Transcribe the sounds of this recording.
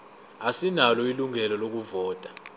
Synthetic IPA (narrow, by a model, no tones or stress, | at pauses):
asinalɔiluŋɛlɔlok̬uvɔːtʼḁ